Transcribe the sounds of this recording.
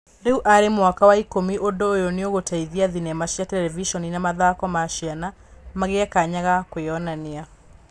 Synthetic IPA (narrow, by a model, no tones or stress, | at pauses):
deuʔaɾemwakawaikomiʔodoojoneoɣotaiðiaðinɛmaʃjatɛlɛviʃɔninamaðakɔmaʃiana | maɣeakaɲaɣakweɔnanea